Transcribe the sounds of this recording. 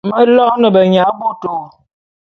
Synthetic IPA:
mə˦lɔ˦knə˨bə˨ɲa˨˦bo˦to˨

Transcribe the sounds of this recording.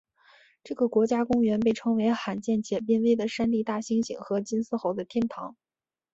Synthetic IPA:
ʈ͡ʂɤ˥˩ɡə˩kwɔ˧˥t͡ɕja˥kʊ˥ŋɥɛ˧˥npe˥˩ɪʈ͡ʂʰɤ˧˥ŋwe˧˥ɪxa˧˥nt͡ɕjɛ˥˩nt͡ɕjɛ˨˩pji˥˧nwe˥˩ɪd̪ə˩ʂa˥nt̪i˥˧t̪a˥˩ɕi˥ŋɕḭ˨˩ŋxɤ˧˥t͡ɕi˥nsɹ̩˥˧xo˧˥ʊd̪ə˧t̪ʰjɛ˥˩nt̪ʰɑ˧˥ŋ

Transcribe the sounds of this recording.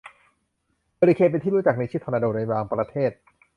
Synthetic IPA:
bəː˧ɾi˧kʰeː˧pe˧nt̪i˥˩uː˦˥t͡ɕa˨˩k̚na˧t͡ɕʰiː˥˩t̪ʰɔː˧na˧doː˧˩na˧jwaː˧ŋpɾa˧t̪ʰeː˥˩t̪̚

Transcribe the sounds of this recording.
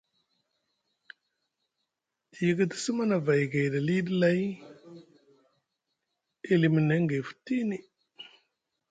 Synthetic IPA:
i˨ɡə˦ti̥˦sə˦ma˦na˨va˨jɡa˨da˨li˦di˦la˦j | e˦li˨mi˨ne˨˦ŋɡe˨fu̥˨ti˦ne˨

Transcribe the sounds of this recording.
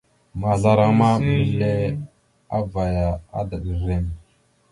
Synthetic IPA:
ma˨ɮa˦ɾa˦ŋma˦mə˨le˦ | a˦va˨ja˨a̰˦da˨ɗə˨ɾe˦ŋ

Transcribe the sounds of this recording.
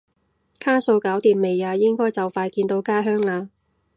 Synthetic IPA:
kʰaː˥so˧wkaː˨˥wt̪iː˨˩mme˨jaː˧jɪ˥ŋkɔː˥jt͡sɐ˨wfaː˧jkiː˧nt̪o˧wkaː˥ɦœː˥ŋaː˧

